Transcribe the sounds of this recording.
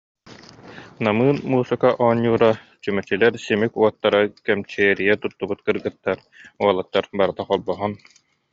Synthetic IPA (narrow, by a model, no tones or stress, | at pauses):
namɯːnmuːsɯkaʔɔɲːuːɾa | t͡ɕymɛt͡ɕilɛɾsimikuɔt̪ːaɾakɛmt͡ɕɛːɾijɛt̪ut̪ːubut̪kɯɾɡɯt̪ːaɾ | uɔlˠat̪ːaɾbaɾɯt̪aqɔlˠbɔɦɔn